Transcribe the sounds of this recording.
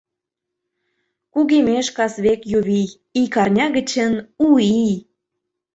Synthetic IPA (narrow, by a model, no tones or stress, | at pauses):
kuɣemeʃkɑsβekjuβi | ikɑrnʲɑɣə̆t͡ɕənui